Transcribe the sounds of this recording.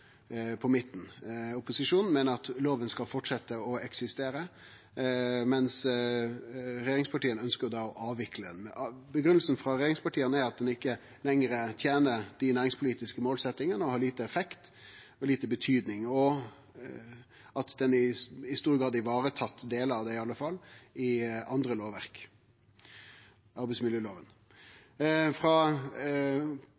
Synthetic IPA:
pʰɔmɪt̪ːn̩ʊpʊsɪʂuːnn̩mɛːnəɾɑt̪loːʋənskɑlfɔʈʂɛt̪ːəɔɛksɪst̪eːɾə | mɛns | ɾɛjeːɾɪŋspʰɑʈiːənœnskəd̪ɑːɔʔɑːʋɪkləd̪ɛ̰nbəɡɾʉnl̩sn̩fɾɑɾɛjeːɾɪŋspɑʈiːənəæɾɑt̪̚d̪ɛnɪkːə | lɛŋɾət̪ʰjeːnəɾd̪̥ɪnæːɾɪŋspʰʊliːt̪ɪskəmoːlsɛt̪ːɪŋənəɔhɑːɾɭiːt̪əɛfɛkt̪ | ɔliːt̪əbət̪ʰyːd̪nɪŋɔ | ɑt̪d̪ɛnɪɪst̪uːɾɡɾɑːd̪ɪʋɑːɾət̪ʰɑt̪ːd̪eːləɾɑʋd̪æɪɑlːəfɑlːɪɑnd̪ɾəloːʋæ̰ʁk | ɑɾbɛɪsmɪljøːloːʋə̰n | fɾɑ

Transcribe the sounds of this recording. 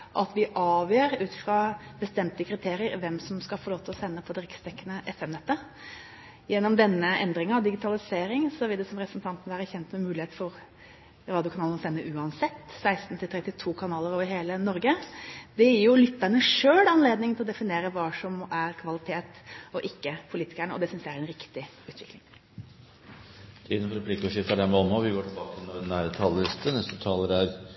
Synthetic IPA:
ʔɑt̪ʋɪʔɑːʋjøːɾʉːt̪ɪ̥fɾɑb̥əst̪ɛmt̪əkʰɾɪt̪ʰeːɾɪəɾʋɛmsɔmskɑlfɔɾɭoːt̪ʰlɔsɛnːəpʰɔd̪əɾɪkst̪ʰɛkːənəʔɛfɛmnɛt̪ːə | jɛnːɔmd̪ɛnːəɛnd̪ɾɪŋɑd̪ɪɡɪt̪ʰɑlɪseːɾɪŋsɔʋɪld̪ɛsɔmɾɛpəsn̩t̪ʰɑnt̪nʋæːɾəçɛnt̪mɛmʉːɪeːt̪fɔɾ | ɾɑːd̪ɪʊkʰɑnɑːlənɔsɛnːəʔʉːɑnsɛt̪ːsæɪst̪n̩t̪ʰɪlt̪ʰɾɛt̪ːɪt̪ʰuːkʰɑnɑːləɾoːʋəɾheːlənɔɾɡəd̪ɛjɪjʊlʏt̪ːæɳəʂøːɽɑnleːd̪nɪŋnɪlɔd̪ɛfɪneːɾəʋɑːʂɔmæɾkʰʋɑlɪt̪ʰeːt̪ɔʔɪkːəpʰʊliːt̪ɪ̥kæɳəɔ̰d̪ɛsʏnsæɾɛnɾɪkt̪ɪ | ʉːt̪ʋɪklɪŋ | t̪ʰiːd̪nfɔɾɛpʰlɪkːɔʂɪft̪əɖ̪ɛmɔmːɔʋɪɡoːʈɪlbɑːkəɛnɔnːæːɾət̪ʰɑllɪst̪ʰənɛst̪ət̪ʰɑːləɾæɾ

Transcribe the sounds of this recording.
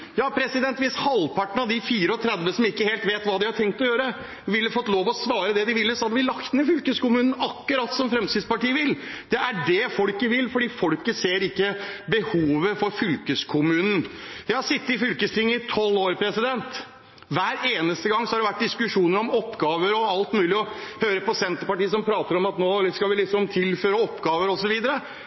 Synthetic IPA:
jɑːpʰɾɛsɪd̪ɛnt̪ʋɪshɑlːpʰɑʈːəɳ̩ɑd̪ɪfiːɾəɔt̪ʰɾɛd̪ʋəsɔmɪkːəheːlt̪ʋeːt̪ʋɑːd̪ɪhɑʈʰɛŋk̚t̪ɔjøːɾə | ʋɪlːəfɔt̪ːloːʋɔsʋɑːɾəd̪ɛd̪ɪʋɪlːəsɔhɑd̪əʋɪlɑkt̪ənəfʏlkəskʊmʉːnn̩ɑkːʊɾɑːt̪sɔmfɾɛmsɪd̪spɑʈiːəʋɪld̪̥ɛæɖɛfɔɽkəʋɪlfɔɖiːfɔlkəseːɾɪkːəbəhuːʋəfɔɾfʏlkəskʰʊmʉːnn̩d̪ɪhɑsɪt̪ːəɪfʏlkəst̪ʰɪŋːəɪt̪ʰɔlːoːɾpʰɾɛsɪd̪ɛnt̪ | ʋæːɾeːnəst̪əɡɑŋːsɔhɑɖɛʋæʈ̚ːd̪ɪskʉʂuːnəɾɔmɔpːɡɑːʋəɾɔɑlt̪mʉːlɪɔhøːɾəpɔsɛnt̪əɾpɑʈiːəsɔmpʰɾɑːt̪əɾɔmɑt̪noːskɑʋɪlɪksɔmt̪ʰɪlføːɾəɔpːɡɑːʋəɾɔsɔʋiːd̪əɾə

